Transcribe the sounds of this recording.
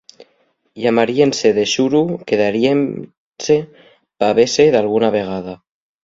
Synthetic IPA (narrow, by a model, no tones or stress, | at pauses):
jamaɾienseðeʃuɾukeðaɾiem | se | paβeseðalɣ̞unaβ̞eɣ̞að̞a